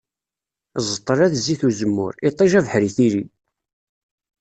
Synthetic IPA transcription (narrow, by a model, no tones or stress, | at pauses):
zˤət̪ˤːəɾˤæðzːiθuzəmːʊ̰ɾit̪ˤːiʒævəħɾiθiɾi